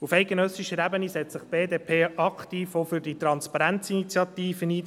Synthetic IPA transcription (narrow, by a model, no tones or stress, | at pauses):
ufæɪt̚ɡ̥enœsiʃəəɾæbənisɛt͡st͡sɪχb̥eːdeːpʰeːʔɑkt̪iːfofyɾdit̪ɾɑnspɑɾænt͡sinit͡sjɑt̪iːfəniː